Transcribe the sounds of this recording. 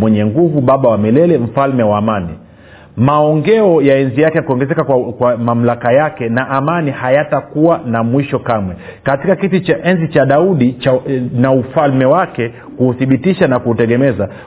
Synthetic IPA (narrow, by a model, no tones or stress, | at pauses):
mwɛɲɛŋɡuvuɓaɓawamilɛlɛm̩falmɛwaːmani | maɔŋɡɛɔjaɛnzijakɛnakuɔŋɡɛzɛkakwamam̩lakajakɛnaʔːmanihajatakuwanamwiʃɔkamwɛ | katikakitit͡ʃʔɛnzit͡ʃaɗauɗit͡ʃanaufalmɛwakɛ | kuːθiɓitiʃanakutɛɠɛmɛza